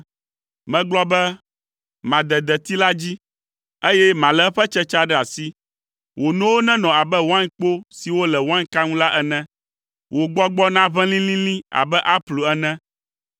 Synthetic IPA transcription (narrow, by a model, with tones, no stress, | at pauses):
mɛ̃˨ɡ͡blɔ˦bɛ˦ | mã˨d̪ɛ˨d̪ɛ˨t̪i˦la˦d͡ʑi˦ | e˦jɛ˦mã˨lɛ˨˦ɸɛ˦t͡ʃɛ˦t͡ʃa˦ɖɛ˦a˨si˦ | wʔo˨nɔ̃˦wo˦nɛ̃˦nɔ̃˨a˨bɛ˦wã˦ɲk͡po˦si˨wo˦lɛ˨wã˦ɲka˦ŋũ˦la˦ʔɛ˦nɛ̃˦ | wo˨ɡ͡bɔ˦ɡ͡bɔ˦nã˦βɛ̃˦lĩ˦lĩ˦lĩ˦a̰˨bɛ˦ʔa˦ɸlu˨ɛ˦nɛ̃˦